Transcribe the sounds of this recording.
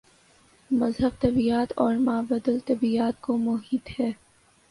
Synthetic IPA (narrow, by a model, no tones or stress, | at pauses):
mɐzɦəb̚t̪ɐbiaːt̪ɔːɾmaːbɐd̪əlt̪ɐbiaːt̪̚komʊɦiːt̪hɛː